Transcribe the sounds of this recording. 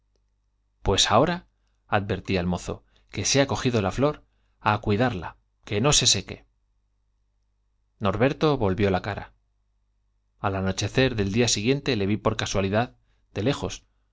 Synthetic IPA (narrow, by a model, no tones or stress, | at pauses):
pwe̞sao̞ɾa | að̚be̞ɾt̪iaelmo̞θo̞̰ | ke̞seako̞xiðo̞laflo̞ɾ | akwiðaɾla̰ | ke̞no̞se̞se̞ke̞ | no̞ɾβe̞ɾt̪o̞βo̞lβjo̞lakaɾa̰ | alano̞t͡ʃe̞θe̞ɾðe̞ld̪iasiɣ̞je̞nt̪e̞le̞βipo̞ɾkaswaliðað | d̪e̞le̞xo̞s